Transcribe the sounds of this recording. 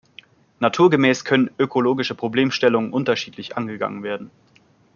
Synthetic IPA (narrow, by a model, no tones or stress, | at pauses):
natʰuːɐɡəmɛːskʰœnənʔøkʰoloːɡɪʃəpʁ̥obleːmʃtɛlʊŋənʔʊntɐʃiːtʰlɪçʔa̰nɡəɡa̰ŋənveːɐdn̩